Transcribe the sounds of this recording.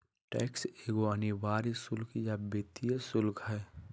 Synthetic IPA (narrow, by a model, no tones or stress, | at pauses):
ʈɛːkseːɡoəniʋaːɾisʊlkʰjabeːt̪iesʊlkɦɛː